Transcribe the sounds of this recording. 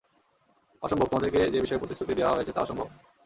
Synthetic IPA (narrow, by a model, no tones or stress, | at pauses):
ɔʃombʱobt̪ad̪eɾked͡ʑebiʃɔeɾpɾot̪ist̪ʰɾut̪id̪eoaɦojet͡ɕʰet̪aɔʃɔmbʱob